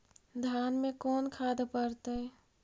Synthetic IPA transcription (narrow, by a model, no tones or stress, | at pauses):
d̪ʱjaːnmekɔːnkʰaːd̪pəɾt̪ə